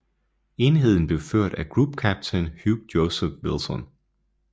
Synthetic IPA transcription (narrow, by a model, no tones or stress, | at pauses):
e̝nɦe̝ð̞̰ˠn̩b̥le̝ʊføɐ̰d̥æɡ̥ʁub̥kʰæb̥̚t͡sʰenhjub̥̚joʊsefʋilsɒn